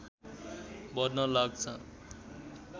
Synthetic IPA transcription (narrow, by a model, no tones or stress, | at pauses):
bʌdnʌlaɡ̚t͡sʰʌ